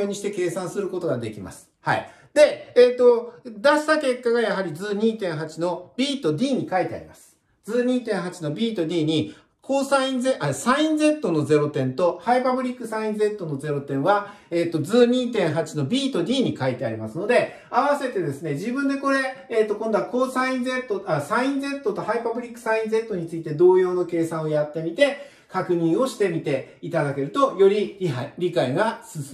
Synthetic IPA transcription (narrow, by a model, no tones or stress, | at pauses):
oːɲ̟iɕi̥t̪e̞ke̞ːsãɰ̃sɨɾɯ̟ko̞t̪o̞ɡad̪e̞kʲima̰sɨ̥ha̰ḭ | d̪e̞ːt̪ːo̞d̪aɕi̥t̪ake̞kːaɡajaɦaɾʲid͡zɨːɲ̟iːt̪ẽ̞ɰ̃ɦat͡ɕino̞bʲiːt̪o̞d̪ʲiːɲ̟ikait̪e̞a̰ɾʲḭmasɨ̥ | d͡zɨːɲ̟iːt̪ẽ̞ɰ̃ɦat͡ɕino̞bʲiːt̪o̞d̪ʲiːɲ̟i | kʰo̞ːsãĩnzeʔasãĩnd͡ze̞t̪ːo̞no̞ze̞ɾo̞t̪ẽ̞nt̪o̞haipabɯ̟ɾʲikːɯ̟sãĩnd͡ze̞t̪ːo̞no̞ze̞ɾo̞t̪ẽ̞ɰ̃βa | eːt̪ːo̞d͡zɨːɲ̟iːt̪ẽ̞ɰ̃ɦat͡ɕino̞bʲiːt̪o̞d̪ʲiːɲ̟ikait̪e̞a̰ɾʲimasɨno̞d̪e̞ | aβase̞t̪e̞d̪e̞sɨne̞ʑibɯ̟̃nd̪e̞ko̞ɾe̞ːt̪ːo̞kõ̞nd̪oako̞ːsãĩnze̞t̪ːoasãĩnd͡ze̞t̪ːo̞t̪o̞haipabɯ̟ɾʲikːɯ̟̥sãĩnd͡ze̞t̪ːo̞ɲ̟it͡sɨit̪e̞d̪o̞ːjo̞ːno̞ke̞ːsãɰ̃o̞jat̪ːe̞mʲit̪e̞ | kakɯ̟ɲ̟ĩɰ̃o̞ɕi̥t̪e̞mʲit̪e̞it̪ad̪ake̞ɾɯ̟t̪o̞jo̞ɾʲiɾʲiɦaɾʲikaiɡasɨsɨ